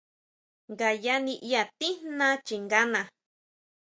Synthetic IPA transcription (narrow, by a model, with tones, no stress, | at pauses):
ŋɡa˨ja˦nĩ˧ʔi˦a˧˨t̪i˦nã˦t͡ʃi˨ŋɡa˦nã˧